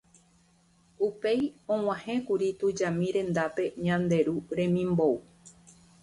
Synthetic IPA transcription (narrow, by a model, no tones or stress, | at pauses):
upe̞jõw̃ãhẽkuɾit̪ud͡ʒamĩɾẽ̞nd̪ape̞ɲãnd̪e̞ɾuɾẽ̞mĩmbo̞u